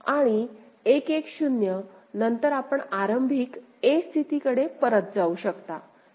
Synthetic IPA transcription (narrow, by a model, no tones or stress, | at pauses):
aɽ̃i | ekekɕunjənənt̪əɾapəɳaɾəmbʱiːkest̪ʰit̪ikəɽepəɾət̪̚d͡zauɕəkt̪a̰